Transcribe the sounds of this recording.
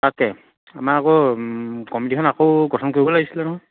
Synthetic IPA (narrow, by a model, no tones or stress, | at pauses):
takɛ | a̰maakɔ | kɔmidikʰɔnakowɡɔtʰɔnkoibɔlaɡisilɛnɔɦɔjj